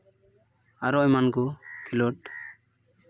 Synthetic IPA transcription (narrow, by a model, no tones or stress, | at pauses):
aɾɔmankɔkʰilɔʈ